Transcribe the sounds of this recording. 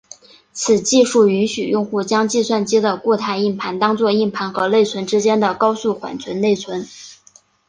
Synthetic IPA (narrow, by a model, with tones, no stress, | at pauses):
t͡sʰɹ̩˨˩t͡ɕi˥˧ʂu˥˩y˧˥nɕy˨˩jʊ˥˧ŋxu˥˩t͡ɕjɑ˥ŋt͡ɕi˥˧swa˥˩nt͡ɕi˥d̪ə˨kwɔ˥˧t̪ʰa˥˧ɪi˥˩npʰa˧˥nt̪ɑ˥ŋt͡swɔ˥˧i˥˩npʰa˧˥nxɤ˧˥le˥˩ɪt͡sʰwə˧˥nʈ͡ʂɻ̩˥t͡ɕjɛ˥nd̪ə˨kɑ˥ʊsu˥˩xwa̰˨˩nt͡sʰwə˧˥nne˥˩ɪt͡sʰwə˧˥n